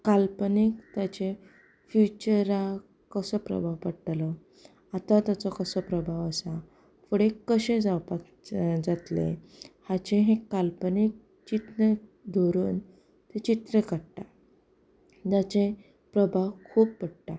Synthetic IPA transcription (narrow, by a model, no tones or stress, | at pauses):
kalpənikt̪jat͡ɕẽ | fjut͡ɕəɾa | kəsəpɾə̰bʱawpəɽʈlɔ | at̪ãt̪jat͡sɔkəsəpɾəbʱaʋəsa | fuɽekəɕẽd͡zawpa | d͡zat̪lḛ | hat͡ɕẽɦẽkalpənik̚ | t͡ɕit̪ɾed̪ʱoɾuːn | t̪et͡ɕit̪ɾekəɽʈa | d͡ʑat͡ɕẽ | pɾəbʱawkʰuːp̚pəɽʈa